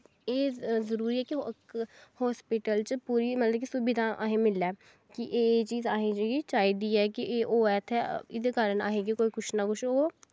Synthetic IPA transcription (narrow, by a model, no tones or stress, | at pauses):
eːzəɾuːɾiːɛːki | hɔːspɪʈəlt͡ʃpuːɾiːmət̪ləbkisubɪd̪ãːʔa̰ːɦẽːmɪlɛː | kiʔeːt͡ʃiːzaːɦẽd͡ʒeɡit͡ʃaːiːd̪iːɛːkiʔeːʔoːɛːt̪ʰɛɪd̪eːkaːɾəna̰ːɦẽːɡikoːiːkʊt͡ʃʰnakʊt͡ʃʰoː